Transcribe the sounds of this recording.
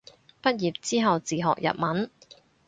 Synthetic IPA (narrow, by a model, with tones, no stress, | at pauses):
pɐ˥t̚jiː˨p̚t͡siː˥ɦɐ˨wt͡siː˨ɦɔ̰ː˨k̚jɐ̰˨t̚mɐ˨˥n